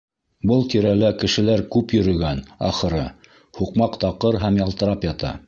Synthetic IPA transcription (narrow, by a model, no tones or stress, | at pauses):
bɤlˠt̪iɾælækɘ̆ʃɘ̆læɾkʉpjɵ̆ɾɵ̆ɡænɑ̰χɤ̆ɾɤ | huqmɑqt̪ɑqɤɾɦæmjɑlˠt̪ɤ̆ɾɑpjɑt̪ɑ̰